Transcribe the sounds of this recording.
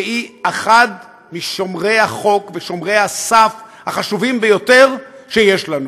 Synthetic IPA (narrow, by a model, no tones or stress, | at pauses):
iaχad̪ | miʃo̞mʁe̞jhaχo̞kveʃo̞mʁejhasafhaχaʃuvimbejo̞t̪e̞ʁʃejeʃlanu